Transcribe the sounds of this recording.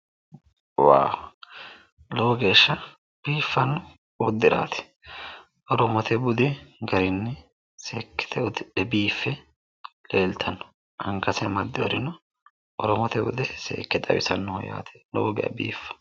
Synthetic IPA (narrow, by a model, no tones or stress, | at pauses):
wa̰ː | lɔwɔɡe̞ːʃːɐ | b̥iːfːɐnːʊ | ɔd̪ːɪɾa̰ːt̪ɛ̥ | ʔɔɾɔmɔt̪ʰɛbʊd̪ɛɡɐɾɪnːɪ | seːkːɛ̥t̪ʰɛʊd̪ɪɛbiːfːɛ | le̞ːlt̪ʰɐnːɔ̥ | ʔɐŋkɐsɐmɐd̪ːɪwɔɾɪnɔ | ɔɾɔmɔt̪ɛbʊ̰d̪ɛsḛːkːɛt̪ʼɐwɪ̰sɐnːʊhɔja̰ːt̪ʰɛ̥lɔ̰wɔɡɛɐ̰bḭːfːɐ̥